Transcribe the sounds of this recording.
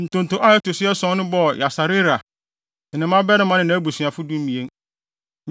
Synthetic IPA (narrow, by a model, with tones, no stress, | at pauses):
n̩˨tʊ̃˨n̩˨tʊ̃˨˦ʔa˦ɪ˦tʊ˨sɪ˦ɛ˦sɔ̃˦nʊ̃˦bɔ˦˨ja˨sa˨ɾɪ˦ɾa˨ | nɪ̃˨nɪ̃˨˦mã˦bɛ˦ɾɪ̃˦mã˦nɪ̃˨nã˦bu˨sɥa˨fʊ˦dũ˦m̩˦mĩ˨ẽ˦ŋ